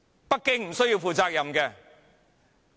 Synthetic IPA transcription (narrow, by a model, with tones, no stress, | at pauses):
pɐ˥kːɪ˥ŋm̩˨˩sɵ˥ɥji˧wfuː˨˧t͡saː˧k̚jɐ˨mkɛː˧